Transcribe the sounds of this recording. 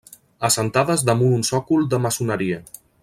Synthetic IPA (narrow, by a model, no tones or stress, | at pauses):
əsənt̪aðəzðəmununsɔkulˠd̪əməsunəɾiə